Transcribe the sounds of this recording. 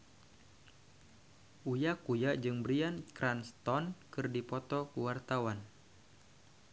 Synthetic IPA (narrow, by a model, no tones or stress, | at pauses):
ʔujakujaʔd͡ʒɨŋbɾiankɾʔanst̪ɔnkɨrdipɔt̪ɔkuwart̪awan